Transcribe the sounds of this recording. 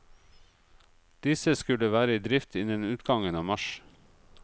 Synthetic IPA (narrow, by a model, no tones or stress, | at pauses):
d̪̥ɪsəskʉləʋæːɾəiːd̪ɾɪft̪ʰɪnənʉːt̪ɡɑŋənɑːmɑʃ